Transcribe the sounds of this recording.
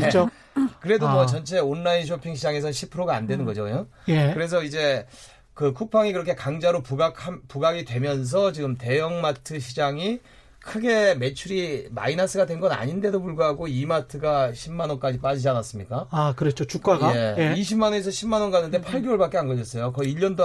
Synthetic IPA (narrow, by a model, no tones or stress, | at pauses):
eo | kɯɾe̞domʌt͡ɕʌnt͡ɕʰe̞onːainɕ̬ʰopʰiŋɕʰid͡ʑaŋe̞sʰʌɕʰipʰɯɾoɡaːndwe̞nɯnɡʌd͡ʑoɲo | jekɯɾe̞s̬ʰʌid͡ʑe̞ | kɯkʰuk̚pʰaŋikɯɾʌkʰe̞kaŋd͡ʑaɾopuɡakʰampuɡaɡidwe̞mjʌns̬ʰʌt͡ɕiɡɯmte̞jʌŋmatʰɯɕ̬ʰid͡ʑaŋi | kʰɯɡe̞me̞t͡ɕʰuɾima̰inas͈ɯɡadwe̞nɡʌna̰ɲinde̞dopuɭɡuɦaɡoimatʰɯɡaɕʰimːanʌnk͈ad͡ʑip͈ad͡ʑid͡ʑianas͈ɯmɲik͈aakɯɾet͡ɕ͈ot͡ɕuk͈aeiɕʰimanonesʰʌɕʰimːanwʌnɡanɯnde̞pʰaɭɡiwʌɭbak͈eanɡʌd͡ʑʌs͈ʌjokʌiiʎːʌndo